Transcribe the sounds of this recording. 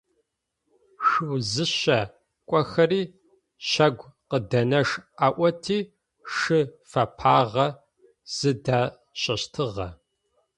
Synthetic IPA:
ʂɨwzɨɕɐ | kʷʼɔxɐriː | ɕɐɡʷqədɐnɐʂaːʔʷɐtʰiː | ʂɨ | fɐpʰaːʁɐ | z̥ɨdaː | ɕʼɐɕtʰɨʁɐ

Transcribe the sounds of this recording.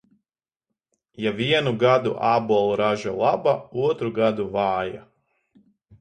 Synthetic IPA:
javiɛnuɡad̪uʔaːbɔlˠɾaʒalˠabauɔt̪ɾuɡad̪uvaːja̰

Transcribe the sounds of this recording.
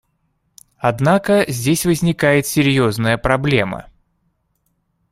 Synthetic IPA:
ɐd̪nakəzʲdʲesʲvəzʲnʲɪkajɪt̪sʲɪɾʲjo̞znəjəpɾɐblʲe̞mə̰

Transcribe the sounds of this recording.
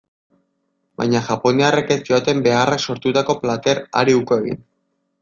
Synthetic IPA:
ba̰jɲaʝapo̞niareke̞siot̪e̞mbe̞arakso̞ɾt̪ut̪ako̞plat̪e̞ɾa̰ɾiuko̞e̞ɣḭn

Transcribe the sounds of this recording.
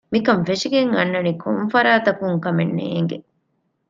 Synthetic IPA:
mikɐmfeʂiɡeŋɐnːɐnikʰo̰mfɐɾaːt̪ɐkuŋkɐmenːḛːŋɡe

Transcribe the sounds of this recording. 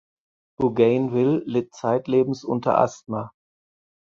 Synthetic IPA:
b̥uɡɛɪnvɪlːeːt͡saɪtleːbm̩sʔʊntɐ̰ʔa̰stma

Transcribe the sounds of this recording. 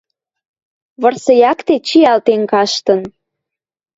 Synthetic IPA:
βɤrsɤ̆jɑkt̪et͡ɕiɑlt̪eŋkɑʃt̪ən

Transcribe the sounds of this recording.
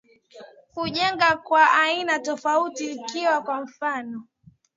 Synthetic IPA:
kuʄɛŋɡakwaʔainatɔfautiːkiwakwam̩fanɔ

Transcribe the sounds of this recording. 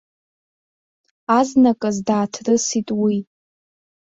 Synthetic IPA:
aznakʼazdaːtʰrɨsitʼwi

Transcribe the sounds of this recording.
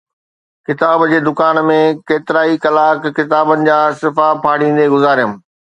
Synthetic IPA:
kɪt̪aːbd͡ʑeːd̪ʊkaːnmẽkeːt̪ɪɾaːikɐlaːkːɪt̪aːbənɪ̆d͡ʑaːsɪfapʰaːɽ̤ĩːn̆d̪eɡʊzaːɾijʊ̃m

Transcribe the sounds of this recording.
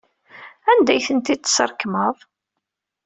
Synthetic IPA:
ænd̪æjθənt̪id̪sə̰ɾˤkməðˤ

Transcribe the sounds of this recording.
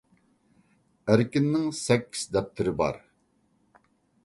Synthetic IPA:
æɾkʲinːɪŋsɛkʲʰːi̥z̥d̪ɛp̚t̪ʰɪɾɪbɑ̰ɾ

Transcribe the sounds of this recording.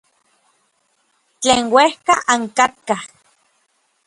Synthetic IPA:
t͡ɬeːŋwehkaʔaŋkat̪̚kah

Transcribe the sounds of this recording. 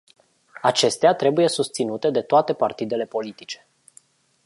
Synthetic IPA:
at͡ʃe̞st̪eat̪ɾe̞buje̞sust̪sinut̪e̞d̪e̞t̪oat̪e̞part̪id̪e̞le̞po̞lit̪it͡ʃe̥

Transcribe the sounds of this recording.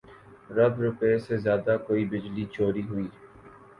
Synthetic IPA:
ɾɐbɾʊpeesezjaːd̪akoːibɪd͡ʒlit͡ʃoːɾiɦʊiː

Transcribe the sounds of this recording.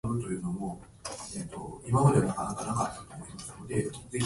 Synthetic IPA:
bɯ̟t̪o̞jɯ̟ːno̞mo̞ | et̪ːo̞̰imamad̪e̞anakanakanakat̪ːat̪ːat̪ʲimasɨno̞d̪e̞d͡ze̞çʲ

